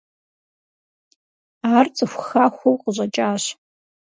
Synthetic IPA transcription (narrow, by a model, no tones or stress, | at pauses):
art͡sʼɨxʷxaxʷʊwqʼʒʷat͡ʃʼaʃʷ